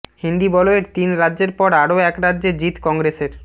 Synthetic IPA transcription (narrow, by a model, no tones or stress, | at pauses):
hind̪ibɔloeɾt̪inɾadːʑeɾpɔɾaɾoɛkɾadːʑed͡ʑit̪kɔŋɡɾeseɾ